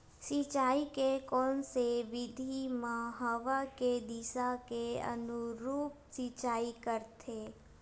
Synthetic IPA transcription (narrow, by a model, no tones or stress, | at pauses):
sit͡ʃaːikekɔːnseʋɪd̪ʱimãɦəʋaked̪isakeə̰nʊɾuːp̚sit͡ʃaːikəɾt̪ʰeː